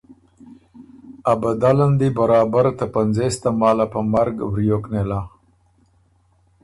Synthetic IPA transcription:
abad̪aland̪ibaɾɑːbaɾt̪apanzest̪amɑːlapəmaɾɡwɾijoknela

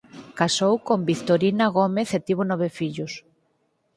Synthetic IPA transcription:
kasowkombikt̪oɾinaɣomeθet̪iβ̞onɔβ̞efiʎʊs

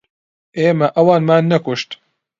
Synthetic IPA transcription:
ʔeːmɐʔɐwɑːnmaːnːɐkʊʃt̪

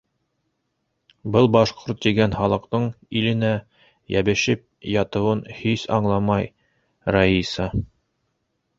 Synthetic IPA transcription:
bɤlˠbɑʃqoɾt̪̚ːiɡænχɑlˠɤ̆qt̪ɤɴ | ilɘ̆næ | jæ̰bɘ̆ʃɘp̚jɑt̪ɤ̆wɤnhisɑ̰ɴlˠɑmɑj | raisɑ

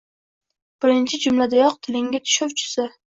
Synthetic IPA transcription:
b̥ɪɾɪnt͡ʃʰɪd͡ʒʊmlad̪ajɒq̚t̪ʰɪlɪŋɡʲat̪ʰʊ̥ʃɒwt͡ʃʰʊ̥sɪ

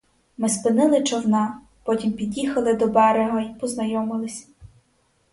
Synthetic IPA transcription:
mɪspɪnɪlˠɪt͡ʃɔwnɑ | pɔtʲimpʲidʲixɐlˠɪd̪ɔbɛɾɪɦɔipɔznɐjɔmɪlˠɪsʲ

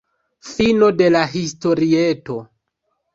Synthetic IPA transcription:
fino̞de̞laɦisto̞ɾieto̞

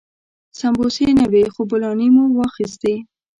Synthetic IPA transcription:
sambosenawexobʊlɑnimuwɑxist̪e

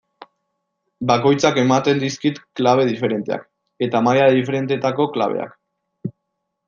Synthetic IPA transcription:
bako̞jt͡sake̞mat̪e̞nd̪iskit̪klaβ̞e̞ð̞ife̞ɾe̞nt̪e̞a̰k | e̞t̪amajaðife̞ɾe̞nt̪et̪ako̞kla̰β̞e̞̰a̰k

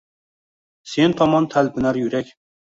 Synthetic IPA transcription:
sent̪ʰɑmɑnt̪ʰælpʰɪnæɾjyɾɛkʲ

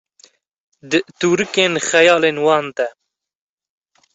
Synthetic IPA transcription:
d̪ɨt̪uːɾɨkeːnxɛjɑːleːnwɑːnd̪ɛ

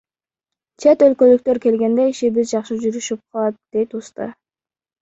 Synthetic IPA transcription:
t͡ʃʰet̪ø̞lkø̞lyk̚t̪ø̞ɾke̞lɡe̞nd̪eiʃiβizd͡ʒɑqʃɯd͡ʒyɾyʃyp̚qʰɑlˠɑt̪̚d̪̥e̞jt̪ust̪ɑ̰

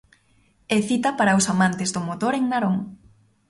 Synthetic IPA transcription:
ɛθit̪ɐpaɾɐʊsamãnt̪ɪzðʊmot̪oɾeŋnaɾoŋ

